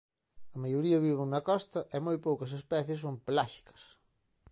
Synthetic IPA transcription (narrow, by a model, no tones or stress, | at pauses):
ɐmajoɾiɐβiβɪŋnɐkɔst̪ɐʔɛmojpowkɐsespɛθjɪs̬ːomplaʃi̥kɐ̥s